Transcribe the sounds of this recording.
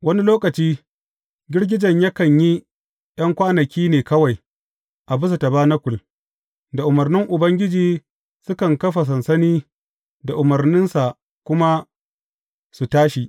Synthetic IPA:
wɐ˦ni˦loː˦kɐ˨t͡ʃiː˦ | ɡʲɪ˦ɽɡʲɪ˦d͡ʒɐ˨ɲja˦kɐ˨ɲji˦ | j̰ɐ˦ŋkʷaː˦nɐ˨kʲiː˦neː˨kɐ˦wa˨j | ʔa˨bʊ˦s̬a˨ta˨baː˦nɐ˦kʷʊ˨l | da˨ʔʊ˨mɐ˨rnɪ˦ŋʔʊ˨bɐ˦ŋɡʲɪ˦d͡ʒiː˨ | sʊ˦kɐ˨ŋkɐ˦ɸa˨s̬ɐ˨nsɐ˦niː˦ | da˨ʔʊ˨mɐ˨rnɪ˦nsa˨ʔ | kʷʊ˦ma˦ | su˨taː˦ʃi˨ʔ

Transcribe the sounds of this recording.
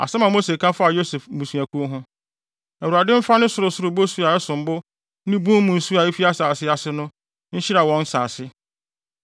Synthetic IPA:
a̰˨sɛ˦mã˨mo˦se˨kʰã˦fʊ˦a˨jo˦sɛ˨fmũ˨sũ˨æ˨kʰu˦o˦ɦʊ̃˦ | æ˨wu˨ɾa˨dɪ̃˦m̩˦fa˦nʊ̃˦sʊ˨ɾʊ˨sʊ˦ɾʊ˨bo˦su˦a˨ɛ˦sʊ̃˨m˨˦bʊ˦ | nɪ̃˦bũ˦m˦mũ˨n̩˨su˦a˨e˦fi˦a˦saː˨sɪ˦a˨sɪ˦nʊ̃˦ | ɲ̩˦ɕi˦ɾa˨wɔ̃˨˦n˦saː˨sɪ˦

